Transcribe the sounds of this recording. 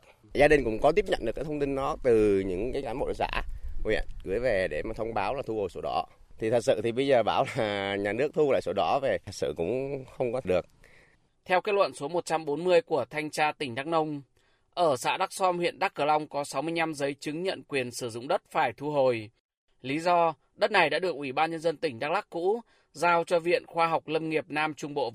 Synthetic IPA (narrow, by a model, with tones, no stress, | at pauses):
zaː˧ɗi˨˩ŋ̟kʊ̰˧˥ŋ͡mkɔ˨˦t̪i˦˥əp̚ɲə̰˧˨nɗɨ˨˩kːaː˨˦t̪ʰŋ͡mt̪i˧nɗɔ˨˦t̪ɨ˨˩ɲɨ̰˧˥ŋkaː˨˦jkaː˨˦nmɓo̰˧˨˦za̰ː˧˥˧jə̰˧˨kɨ˨˦əjve˨˩ɗe˧˩maː˨˩ə˧wŋ͡mɓaː˨˦wlaː˨˩u˧ho˨˩jso˨˦ɗɔ̰˨˦ | t̪ʰi˨˩t̪ʰə˨˩t̚sɨ̰˧˨t̪ʰi˨˩ɓə˧jzəː˨˩ɓaː˧˩wlaː˨˩ɲaː˨˩nɨ˦˥ək̚t̪ʰu˧la̰ː˧˨jso˨˦ɗɔ˨˦ve˨˩ə˨˩t̚sɨ̰˧˨kʊ̰˧˥ŋ͡mxə˧wŋ͡mkɔ˨˦˩ɗɨ˨˩ək̚ | t̪ʰɛ˧wkaː˦˥lwə̰˧˨nsu˨˦əmo˨˩t̚t͡ɕa˧mɓo˨˦nmɨ˧əjku˧˩ət̪ʰa˧jŋ̟t͡ɕaː˧t̪ï˧˩ŋ̟ɗaː˦˥k̚nə˧wŋ͡m | ʔəː˧˩sa̰ː˧˥ɗa˦˥k̚sɔ˧mhwḭ˧˨ənɗa˦˥k̚ːə˧˩la˧wŋ͡mkɔ˨˦sa˨˦wmɨ˧əjna˧mzəː˨˦jt͡ɕɨ˨˦ŋɲə̰˧˨nkwi˨˩ənsɨ˧˩zʊ̰˧˨ŋ͡mɗə˦˥t̚faː˧˩jt̪ʰu˧ɦo˨˩j | li˨˦zɔ˧ | ɗə˦˥t̚na˨˩jɗa̰ː˧˥ɗɨ˨˩ək̚ʔi˧˩ɓaː˧nɲə˧nzə˧nt̪ï˧˩ŋ̟ɗa˦˥k̚la˦˥k̚kːṵ˧˥ | zaː˧wt͡ɕɔ˧vḭ˧˨ənxwaː˧ɦa˨˩wk͡p̚lə˧mŋi˨˩əp̚naː˧mt͡ɕʊ˧ŋ͡mɓo̰˧˨